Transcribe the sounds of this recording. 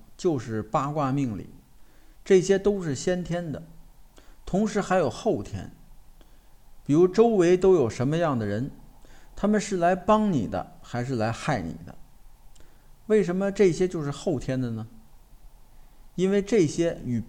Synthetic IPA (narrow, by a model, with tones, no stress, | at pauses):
t͡ɕjo˥˧ʊʂɻ̩˥˩pa˥kwa˥˧mi˥˧ŋlḭ˨˩˦ʈ͡ʂɤ˥˩ɕjɛ˥t̪o˥ʊʂɻ̩˥˩ɕjɛ˥nt̪ʰjɛ˥nd̪ə˨˩ | t̪ʰʊ˧˥ŋʂɻ̩˧˥xa˧˥ɪjo˨˩ʊxo˥˩ʊt̪ʰjɛ̰˥n | pi˨˩ɻu˧˥ʈ͡ʂo˥ʊwe˧˥ɪt̪o˥ʊjo˨˩ʊʂə˧˥nmə˧jɑ˥˩ŋd̪ə˩ɻə˧˥nt̪ʰa˥mə˨nʂɻ̩˥˩la˧˥ɪpɑ˥ŋnḭ˨˩d̪ə̰˦xa˧˥ɪʂɻ̩˥˩la˧˥ɪxa˥˩ɪnḭ˨˩d̪ə̰˦ | we˥˩ɪʂə˧˥nmə˧ʈ͡ʂɤ˥˩ɕjɛ˥t͡ɕjo˥˧ʊʂɻ̩˥˧xo˥˩ʊt̪ʰjɛ˥nd̪ə˨nə˩ | i˥nwe˥˧ɪʈ͡ʂɤ˥˩ɕjɛ˥y˨˩